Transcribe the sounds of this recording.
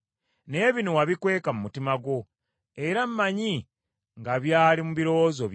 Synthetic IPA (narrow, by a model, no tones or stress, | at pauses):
ne̞ːβinowaβikwe̞ːkamumutimaɡo̞ | e̞ɾammaɲi | ŋɡaβjaːlimuβiɾo̞zo